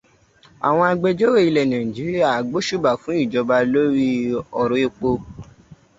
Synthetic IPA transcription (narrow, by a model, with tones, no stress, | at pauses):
a̰˨w̃ɔ̃˧a˧ɡ͡be˧d͡ʒo˦ɾe˦˨i˧lɛ˨nã˨d͡ʒi˨˦ɾi˦a˦˨ɡ͡bo˦ʃu˦˨ba˨fũ˨˦i˦˨d͡ʒɔ˧ba˧lo˦ɾi˦ɔ˨ɾõ˨˦e˧k͡po˧